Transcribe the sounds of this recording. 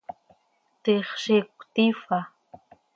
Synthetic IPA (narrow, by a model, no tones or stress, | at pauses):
t̪eχʃekʷt̪ifa